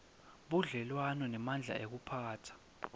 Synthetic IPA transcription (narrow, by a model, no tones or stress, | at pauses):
ɓuɮɛlwanɔnɛmand͡ɮʱa̰ʔek̬upʰaːtʰḁ